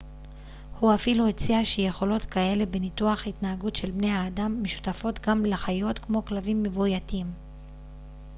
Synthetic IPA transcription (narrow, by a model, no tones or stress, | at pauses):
huafiluet͡siaʃeje̞χo̞lo̞tkae̞le̞be̞nituaχhitnaaɡutʃe̞lbne̞jhaːdamːeʃu̥tafo̞tɡamleχajo̞tkmo̞klavimːevujatim